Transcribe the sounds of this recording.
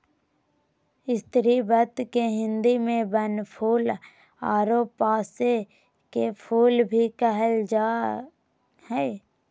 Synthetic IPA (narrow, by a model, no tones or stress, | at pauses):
ɪst̪ɾibət̪keɦɪ̃nd̪imẽbənpʰuːl | aːɾoːpːaːse | kepʰuːlbʱikəɦəld͡ʒaː | hɛː